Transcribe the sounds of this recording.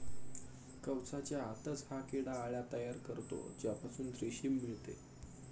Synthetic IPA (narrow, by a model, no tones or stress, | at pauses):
kəwt͡sat͡ɕjaːt̪ət͡shakeɽaːɭjat̪əjaɾkəɾt̪o̰d͡ʑjapasuːnt̪ɾiɕimːiɭt̪ḛ